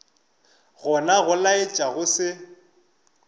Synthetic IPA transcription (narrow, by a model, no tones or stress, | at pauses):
ɣʊnaɣʊlaɪt͡ʃʼaɣʊsɪ